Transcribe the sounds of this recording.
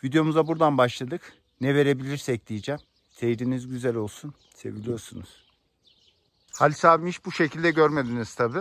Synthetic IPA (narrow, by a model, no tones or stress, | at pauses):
vid̪jo̞muzabuɾd̪anbaʃlˠad̪ɯk | nɛve̞ɾe̞bilʲiɾsɛc̚d̪ijid͡ʒæm | se̞jɾinizɟyzælʲo̞lˠsun | se̞̰vilʲijo̞ɾsunuz̥ | halʲsaːvmiʃbuʃe̞cʰilʲd̪ɛɟøɾme̞d̪iniz̥t̪ʰabi